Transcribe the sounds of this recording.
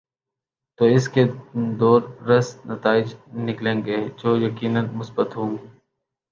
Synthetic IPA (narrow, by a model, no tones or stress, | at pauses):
t̪oːɪsked̪ɔːɾɾɐsnɐt̪aːɪd͡ʒnɪklẽːŋɡeːd͡ʒoːjɐkiːnənmʊsbət̪ɦõːɡ